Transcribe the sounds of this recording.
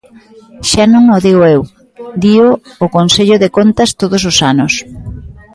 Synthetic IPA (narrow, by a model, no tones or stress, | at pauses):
ʃanõŋoðiɣoew | d̪ioːkonseʎʊðekont̪ɐst̪oðʊsosanʊs